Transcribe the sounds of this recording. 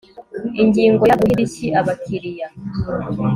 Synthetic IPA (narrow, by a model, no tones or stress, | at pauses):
iɲɟiːŋɡo̞jaɡuhiɾiciʔaβakʰiɾija